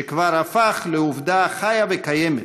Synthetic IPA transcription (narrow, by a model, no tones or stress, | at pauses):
ekvaɾafaχleuvdaχajavekajeme